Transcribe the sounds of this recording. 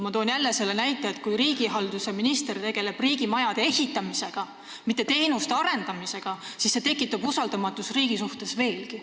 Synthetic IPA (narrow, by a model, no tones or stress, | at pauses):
mɑt̪o̞ːnjælːese̞lːenæjt̪ːˑeet̪̚kujɾiːɡiɦɑld̪use̞minist̪ert̪e̞ɡ̥e̞le̞b̥riːɡ̥imɑjɑd̪̥e̞ehit̪ːˑɑmise̞ɡ̥ɑ | mit̪ːˑe̞t̪e̞jnust̪eɑɾe̞nd̪̥ɑmise̞ɡ̥ɑsisːe̞t̪e̞kːˑit̪ːˑɑb̥usɑld̪ɑmɑt̪ːˑusriːɡ̥isuht̪e̞sve̞ːlki